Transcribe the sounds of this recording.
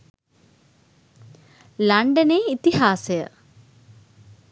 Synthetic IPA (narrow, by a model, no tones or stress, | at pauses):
lɐɳɖɐneit̪ihaːsɐjɐ̰